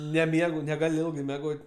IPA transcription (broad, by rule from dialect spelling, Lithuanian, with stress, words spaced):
nʲɛˈmʲiɛɡʊ nʲɛɡɐˈlʲʊ mʲɛˈɡoːtʲ